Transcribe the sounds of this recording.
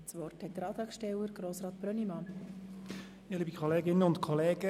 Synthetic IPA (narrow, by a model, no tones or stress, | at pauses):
t͡sʋɔrthɛt̪̚d̥əɾɑːt̪ɑkʃtɛwəɾɡ̥ɾoːsɾɑːt̪̚b̥ɾœnimɑn | ɪliːbikʰoleːɡɪnːəʊntkʰɔleːɡə